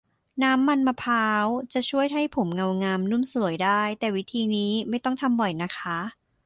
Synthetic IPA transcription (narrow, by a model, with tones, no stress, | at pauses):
naː˦˥mːa˧nmaː˧pʰaː˦˥wt͡ɕa˨˩t͡ɕʰu˥˩əjɦa˥˩jpʰo˩˦mŋa˧wŋaː˧mnu˥˩msu˨˩˦əjdaː˥˩jt̪ɛː˨˩wi˦˥t̪ʰiː˧niː˦˥ma˥˩jt̪ɔ˥˩ŋt̪ʰa˧mbɔ˨˩jna˦˥kʰa˦˥